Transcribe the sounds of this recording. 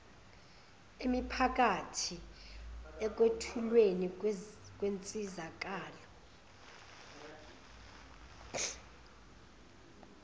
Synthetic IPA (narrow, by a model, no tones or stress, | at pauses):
imipʰak̬ʼatʰi | ɛk̬ʼwetʰulwenikʼwent͡sʼizakʼaːlɔ